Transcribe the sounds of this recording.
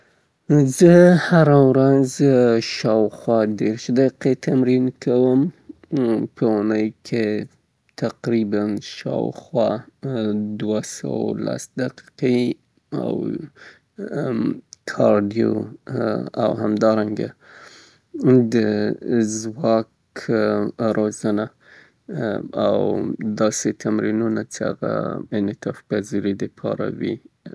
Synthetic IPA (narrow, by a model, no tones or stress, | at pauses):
zɨhaɾawɾanzʃɑːwxwad̪eɾʃd̪eqet̪ʰamɾinkʰɐwəm | pʰəwanajkʰe | t̪ʰaqɾibanʃɑ̰w̰xwa | d̪wasa̰wla̰sd̪aqi̥qi | a̰w | kʰɑɾɖijo | a̰wɦamd̪ɑɾaŋɡa̰ | d̪əzwɑk | ɾʔozəna | awd̪ɑset̪ʰamɾinunat͡ʃea̰ɣa̰ɪnɪt̪ɑfkaziɾid̪əpʰɑɾa̰wi